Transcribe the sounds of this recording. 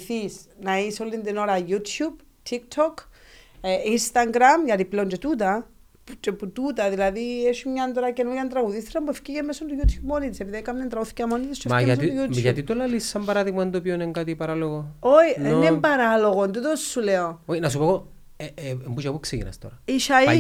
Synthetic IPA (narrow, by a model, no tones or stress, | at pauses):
θisnaisolind̪ino̞ɾɐjut̪ʰjub | t̪ʰik̚t̪ʰok | inst̪aŋɡɾamʝɐt̪ipleont͡ʃet̪ut̪̬ɐ | pt͡ʃeput̪ut̪ɐðilɐðieʃumɲant̪oɾakenoʝant̪ɾɐɣuðisɾampuefciʝemesond̪ujut̪ʰçupmonit̪isepiðijkamnent̪ɾɐɣuθi̥camonit̪ist͡ʃeaaijuʝat̪it̪olalisːɐmbɐɾaðiɣmɐnd̪opioneŋkat̪ipɐɾaloɣoojnenempaɾaloɣont̪ut̪osːuleoojnɐsupoɣo | eembuʃɐpukseɣḭnɐ̰st̪o̰ɾɐiʃai